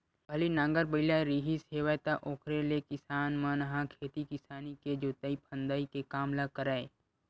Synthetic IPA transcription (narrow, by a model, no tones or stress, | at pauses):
bʱəlinãːŋɡəɾbəɪlaeɾiːɦisɦeːʋajt̪aʔoːkʰɾelekɪsaːnmə̃nɦãkʰeːt̪ikɪsaːniked͡ʒoːt̪aipʰə̃nd̪aːikekaːmlakəɾaːe